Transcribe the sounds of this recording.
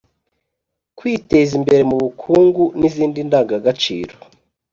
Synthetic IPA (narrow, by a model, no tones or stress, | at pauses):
kwiːte̞zimbe̞ɾe̞muβukʰuːŋɡuniziːndindaːŋɡaɡat͡ʃḭːɾo